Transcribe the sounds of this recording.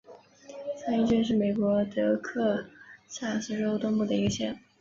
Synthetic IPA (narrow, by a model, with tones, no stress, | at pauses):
t͡sʰa˥ni˥˩t͡ɕy˥nʂ̬ɻ̩˥˩me˨˩ɪkwɔ˧˥t̪ɤ˧˥kʰɤ˥˧ɕa˥˩sɹ̩˥˧ʈ͡ʂo˥ʊt̪ʊ˥ŋpu˥˩d̪ə˩i˧˥ɡə˧ɕjɛ˥˩n